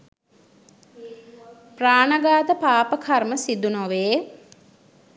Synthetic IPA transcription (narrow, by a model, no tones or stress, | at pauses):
praːnəɡaːt̪əpaːpəkʰarməsid̪unoʋeː